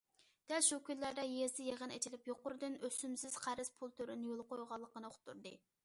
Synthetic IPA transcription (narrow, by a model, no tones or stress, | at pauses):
d̪̥ɛlʃukʲyllːæɾd̪ɛjezd̪ɪjeʁənɛ̰t͡ʃ̪ʰilɪpjoqʊɾɨd̪ɨnøsymsɪz̥qʰæɾɪspʰulˠt̪ʰøɾɪnjolˠqojʁɑlˠːəqənɨoχʰʊ̥t̪ʰːuɾd̪ɨ